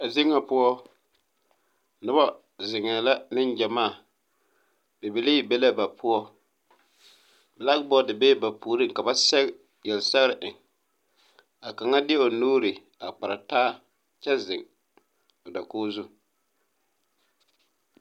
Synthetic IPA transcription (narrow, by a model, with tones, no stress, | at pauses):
a˨zi˦ŋːa˨pʊ˦ɔ˦ | nʊ˦ba˦ | zɪ˨ŋɛ˨la˦nɪ˦nd͡ʒɛ˨maː˦˨ | b̥e˨be˨le˦˨be˦la˦ba˨pʰʊ˦ɔ˦ | bɛ˨la˦kbɔ˦dɪ˨beː˦ba˨puː˨ɾɨ˦˨ka˨ba˦sɛ˦ɣ | jɛ˨lsɛ˦ɣɾɪ˨ʔɪ˨ŋ | a˨ka˨ŋa˦dɪ˦ɛ˦o˨nuː˦ɾɪ˨ | a˨k͡pa˨ɾa˨taː˦ | t͡ʃɛ˦zɪ˨ŋ | o˨da˨koː˦zu˦